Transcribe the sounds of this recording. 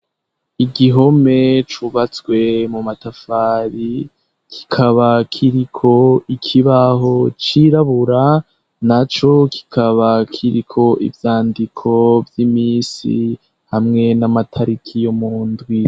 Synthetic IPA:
iɡiɦo̞me̞t͡ʃuβat͡swe̞mumatafaːɾi | kʰi̥kʰaβakʰiɾikʰo̞ikʰiβaɦo̞t͡ʃiɾaβuɾa | nat͡ʃo̞kʰi̥kʰaβakʰiɾikʰo̞ʔḭvjaːndikʰo̞vjimiːsḭ | hamŋe̞namatʰaɾikʰijo̞muːndwi

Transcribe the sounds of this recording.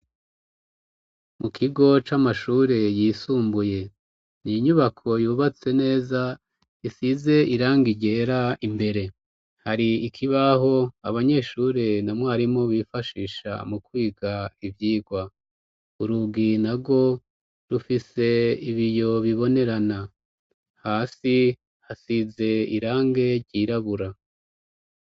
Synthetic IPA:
mukʰiɡo̞t͡ʃamaʃuːɾe̞jiːsuːmbuje̞ | niɲuβakʰo̞juːβat͡se̞ne̞ːza | isize̞ʔiɾaːŋɡiɟe̞ɾaimbe̞ɾe̞ | haɾiikʰiβaɦo̞aβaɲe̞ʃuːɾe̞namŋaaɾimo̞βifaʃiːʃa̰mukwiːɡaivjiːɡwa | uɾuɡinaɡo̞ | ɾufise̞iβijo̞βiβo̞ne̞ɾana | haːsi | hasize̞ḭɾaːŋɡe̞ɾɟiɾaβuɾa

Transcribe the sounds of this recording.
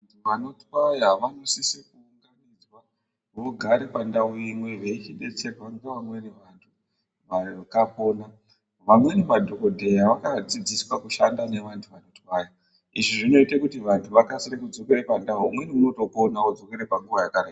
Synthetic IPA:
ntʰuʋano̞twajaʋanosisikuːŋɡanid͡zwa | oɡʱaɾepandauimwe̞ʋeit͡ʃiɗe̞t͡serwaŋɡeʋamwe̞neʋantʰu | ʋakapo̞ːna | ʋamwenemadʱo̞ko̞dʱe̞jaʋakad͡zid͡ziswakuʃandane̞ʋantʰuʋano̞twaja | iʐiʐino̞itakutiʋantʰuʋakasirekud͡zokeɾepandaumwe̞niuno̞to̞po̞naod͡zo̞keɾepaŋɡuʋajakaraia

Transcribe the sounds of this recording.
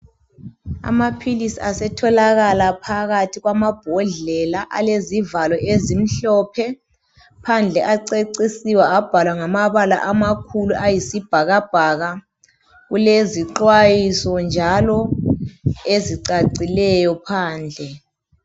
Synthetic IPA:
a̰mapʰilisiasɛtʰɔlaɣalapʰaɣatʰiɣwamab̥ʱɔɮɛlaʔa̰lezivalɔʔezim̩ɬɔpʰɛ | pʰand͡ɮʱɛʔaǀeǀisiwaab̥ʱalwaŋamaβala̰ʔamakʰuluʔajisib̥ʱaɣab̥ʱaɣa | ɣuleziǃwajisɔnd͡ʒʱalɔ | eziǀaǀilɛjɔpʰaːnd͡ɮʱɛ

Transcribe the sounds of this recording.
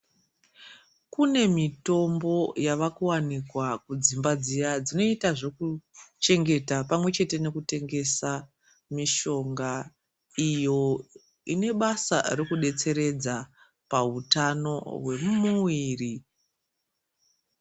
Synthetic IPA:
kune̞mito̞mbo̞jaʋakuwanikwakud͡zimbad͡zijad͡zino̞itaʐo̞kut͡ʃe̞ŋɡe̞tapamwe̞t͡ʃe̞te̞ne̞kute̞ŋɡe̞sa | miʃo̞ŋɡa | ijo̞ | ine̞ɓasa̰rekuɗe̞t͡se̞ɾe̞d͡za | pautano̞̰ɦwe̞mmuwiːri

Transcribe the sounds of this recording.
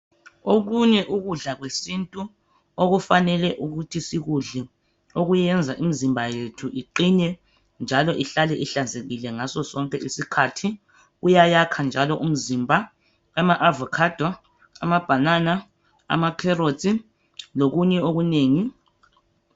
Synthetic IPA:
oɣuɲɛʔuɣuɮaɣwesintʼu | oɣufanɛlɛʔuɣutʰisiɣuɮɛ | oɣujɛnd͡zʱaʔimizimbʱajetʰuʔiǃiɲɛ | nd͡ʒʱalɔʔiɬalɛʔiɬand͡zʱeɣilɛŋasɔsɔŋkʼɛʔisikʰaːtʰi | ujajakʰand͡ʒʱalɔʔum̩zimbʱa | amaʔavɔkʰad̥ʱa | amab̥ʱanana | a̰makʰɛrotʼi | loɣuɲɛoɣuneːŋi

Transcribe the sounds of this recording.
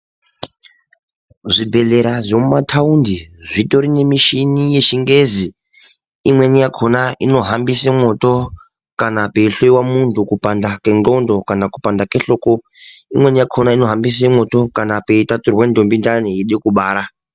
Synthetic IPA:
zʷibʱeɮeɾazomumatʰaundiʐʷitoɾine̞miʃinijeʃiŋɡezi | imwenijakʰonaʔino̞ɦambisemoto | kanapeiɬoiwamuntʰukupandakenŋ͡ǃondokanakupandakeɬoːko | imwenijakʰonaino̞ɦambis̬emotokanape̞itaturwendʱombindanijiɗekuɓaːɾa

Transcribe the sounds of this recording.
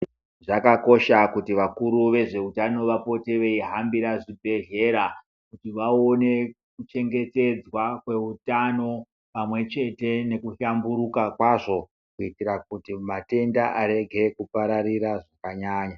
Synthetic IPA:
ʐakako̞ʃakutiʋakuɾuʋe̞ʐe̞utano̞ʋapo̞te̞ʋe̞iɦambiɾaʐibʱe̞ɮe̞ɾa | kutiʋaone̞ | kut͡ʃe̞ŋɡe̞te̞d͡zwakwe̞utano̞ | pamwe̞t͡ʃe̞te̞ne̞kuʃambuɾukakwaʐo̞ | kuitiɾakutimate̞ndaʔaɾe̞ɡʱe̞kupaɾariɾaʐakaɲaːɲa

